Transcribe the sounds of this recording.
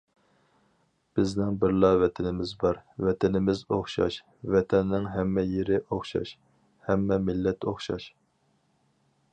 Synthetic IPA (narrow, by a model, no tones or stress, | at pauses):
b̥ɪznɪŋbɪɾlˠɑvɛt̪ʰɪnɪmɪzbɑɾvɛt̪ʰɪnɪmɪzoχʃɑ̰ʃ | vɛt̪ʰɛnːɪŋɦɛmːɛjeɾɪʔoχʃɑ̰ʃ | hɛmːɛmɪlːɛt̪oχʃɑ̰ʃ